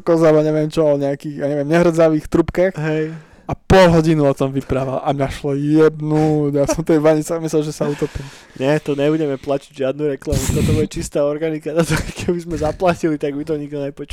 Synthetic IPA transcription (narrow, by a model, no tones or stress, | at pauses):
kɔzabaɲɛʋɪjɛmt͡ʃɔɔɲɛakiɣjaɲɛʋɪɛmɲɛɦr̩d͡zaʋiːxt̪ɾupkɛxɦɛj | apɔlɦɔɟinuɔt̪ɔmʋipɾaʋalʔamɲaʃlɔjɛbnuɟjasɔmt̪ɛjʋaɲit͡sɛamislɛlʒɛsaut̪ɔpiːm | ɲɛt̪ɔɲɛbuɟɛmɛplaciɟʒɪad̪nuɾɛklamut̪ɔt̪ɔbuɟɛt͡ʃist̪ɛːɔɾɡanikat̪at̪kkʰɛbizmɛzaplacilit̪aɡmit̪̬ɔɲiɡd̪ɔɲɛpɔt͡ʃ